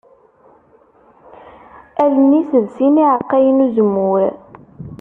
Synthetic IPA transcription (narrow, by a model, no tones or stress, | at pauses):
ælənisəðsiniʕəqːæjənuzəmːʊɾ